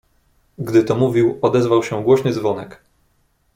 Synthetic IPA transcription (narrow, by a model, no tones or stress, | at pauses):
ɡd̪ɘt̪ɔmuvʲiwɔd̪ɛzvawɕɛɡwɔɕɲɛzvɔnɛk